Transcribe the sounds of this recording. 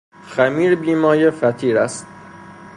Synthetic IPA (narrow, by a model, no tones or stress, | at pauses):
xæmiːɾbiːmɒːjefæt̪ʰiːɾæst̪̚